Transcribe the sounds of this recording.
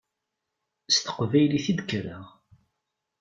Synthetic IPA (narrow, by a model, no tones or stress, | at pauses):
st̪ə̥qvæjliθid̪əkːɾəʁ